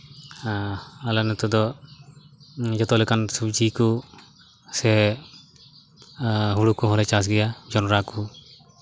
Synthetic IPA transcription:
aalanɛt̪ud̪ɔ | d͡ʒɔt̪ɔlɛkansubd͡ʒiku | sɛ | ɦuɽukuɦɔlɛt͡ʃas̬ɡɛjad͡ʒɔnɾaku

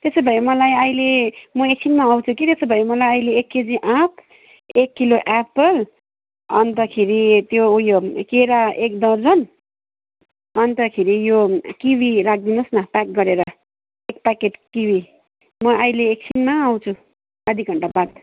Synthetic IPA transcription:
t̪esʌbʱʌemʌlajʌjlemʌek̚t͡sʰinmaaw̃t͡sʰukit̪esʌbʱʌemʌlajʌjleːkːed͡ziʔãpʰ | ekːiloʔapʌl | ʌ̰nt̪ʌkʰeɾit̪joujokeɾaek̚d̪ʌrd͡zʌn | ʌnt̪ʌkʰeɾijokibʱiɾak̚ʰd̪inosnʌpak̚ɡʌɾeɾʌ | ek̚pakeʈkibʱi | mʌajleːk̚sʰinmaːw̃t͡sʰu | ʌd̪ʱik̚ɡʱʌɳʈabat̪̚

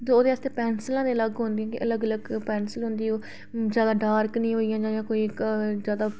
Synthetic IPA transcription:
oːd̪eːaːst̪eːpɛːnsəlãːd̪eːləɡɦõnd̪iãːkɪʔələɡələɡpɛːnsəlɦʊ̃nd̪iːoː | zjaːd̪aːɖaːɾknĩːɦoːijãːd͡ʒãːjãːkoːiːzjaːd̪aː

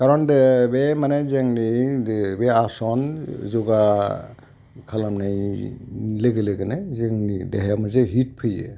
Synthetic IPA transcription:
kaɾɔndbemanezeŋnibeasɔnzɔɡa | kʰalamnaj | leɡeleɡenezeŋnideɦjamazeɦit̚pʰɯjḛ

